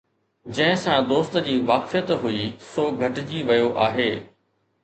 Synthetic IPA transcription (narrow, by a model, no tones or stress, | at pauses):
d͡ʑɐ̃ɦɪ̃sãd̪oːst̪d͡ʑiːʋaːkfijət̪ɦuisoːɡʱɐʈɪd͡ʑiːʋɐjoʔaːɦeː